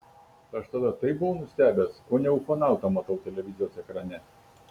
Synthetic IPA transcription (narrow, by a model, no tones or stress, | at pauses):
t̪ɐʃt̪ɐd̪ɐt̪ɐɪp̚bʊʋoʊnʊsʲt̪ʲæːbʲeːsoːnʲɛʊkoːnɑˑʊt̪ɐmɐt̪ɐʊt̪ʲɛlʲɛʋʲɪzʲɪjoːsɛkɾɐnʲɛ